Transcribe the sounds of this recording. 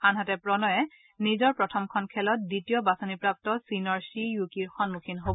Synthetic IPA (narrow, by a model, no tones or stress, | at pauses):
anɦatɛpɹɔnɔjɛ | nizɔɹpɹɔtʰɔmkʰɔnkʰɛlɔt̚ditijɔbasonipɹap̚tɔsinɔɹsijukiɹxɔnmukʰinɦobɔ